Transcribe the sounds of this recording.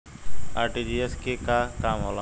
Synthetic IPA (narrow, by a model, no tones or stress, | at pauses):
aːɾʈiːd͡ʒiːɛskeːkaːkaːmɦoːla